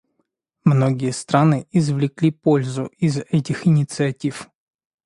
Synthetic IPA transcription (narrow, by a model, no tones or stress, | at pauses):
mno̞ɡʲɪjəst̪ɾanɨʔɪzvlʲɪklʲipolʲzʊɪzɛtʲɪxɪnʲɪt̪sɨɐtʲif